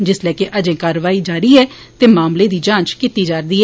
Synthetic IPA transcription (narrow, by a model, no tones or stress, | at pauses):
d͡ʒɪslɛːkeʔəd͡ʒẽːkaːɾʋaːiːd͡ʒaːɾiːɛː | t̪eːmaːmleːd̪iːd͡ʒãːt͡ʃkit̪iːd͡ʒaːɾd̪iːɛː